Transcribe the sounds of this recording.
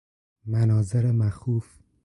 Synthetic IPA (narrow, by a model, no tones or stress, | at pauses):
mænɒːzeɾemæxuːf